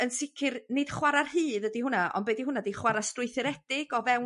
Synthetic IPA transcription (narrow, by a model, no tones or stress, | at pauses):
ənsɪkʰɪrnɪd̥χwaɾarhɨːðədihʊnaʔɔ̰nbeɛːdihʊnadiχwaɾastrʊɨθɪɾɛd̥ɪɡ̥ɔvɛw